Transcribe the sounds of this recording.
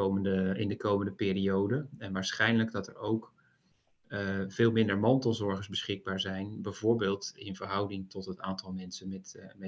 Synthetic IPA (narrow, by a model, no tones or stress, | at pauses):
owməndəɪ̰ndəkowməndəpɪːriowdəɛnʋaːɹsχɛjnləɡdɑtə̰ɹowk | v̥ɪːlˠmɪndəɹmɑntəlˠzɔɹχənzbəsχɪɡ̚baːɹzɛjnbɛjvʊːɹbeːlˠtɪnvəɹɦʌwdɪŋtɔtɦətaːntɑlˠmɛnsənmɛtmɛ